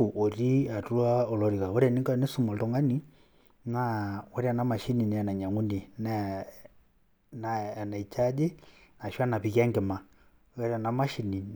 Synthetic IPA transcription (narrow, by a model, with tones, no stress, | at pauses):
u˨ʔo˨ɾi˦a˨tu˦lwa˦ɔ˨lɔ˨ɾi˨ka˨wɔ˦ɾa˨ni˦ka˦ne˦su˦˨mɔ˨ltɔ˦ŋɡa˦ni˦ | na˦wɔ˦ɾi˦a˨na˦ma˨ʃi˦ni˨n˨a˨na˨ɲa˨ŋɡu˦ndi˨n˦ | na˨na˨i˨t͡ʃa˦d͡ʒe˦na˨ʃa˦na˨pi˨ki˦a˦ŋɡɛ˨ma˨˦ | ɛ˦ɾa˨na˨ma˦ʃi˨ni˨